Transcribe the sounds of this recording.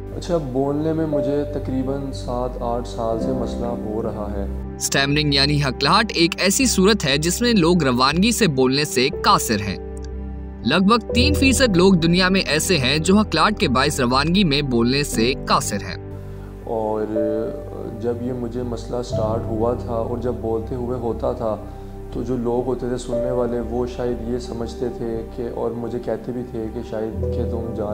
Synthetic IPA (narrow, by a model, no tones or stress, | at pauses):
ɐ̰tːʃʰaboːlnemẽmʊd͡ʒʱet̪ɐkɾiːbənsaːt̪ʰaːʈʰsaːlsemɐslaɦoɾɐɦaɦɛː | sʈɛːmɾɪ̃ŋɡjaːniɦɐklaːʈeːkɛːsisuːɾət̪ɦɛd͡ʒɪsmẽloːɡɾɐʋaːnɡiseboːlnesekaːsɪɾɦɛ̰̃ː | lɐɡ̚bʱəɡ̚t̪iːnfiːsəd̪loːɡ̚d̪ʊnijamẽʔɛːseɦɛ̃d͡ʒoːɦɐklaːɾʈ̚kebaːɪsɾɐʋaːnɡimẽboːlnesekaːsɪɾɦɛ̰̃ː | ɔːɾ | d͡ʒɐbjemʊd͡ʒʱemɐslasʈaːɾʈɦʊat̪ʰaɔ̰ːɾd͡ʒɐbːoːlt̪eɦʊeɦoːt̪at̪ʰa | t̪od͡ʒoːloːɡɦoːt̪et̪ʰesʊnːeʋaːleʋoːʃaːjəd̪jesɐməd͡ʒʱt̪et̪ʰekeɔːɾmʊd͡ʒʱekɛɦt̪ebʱit̪ʰekeʃaːjəd̪ket̪ʊmd͡ʒaː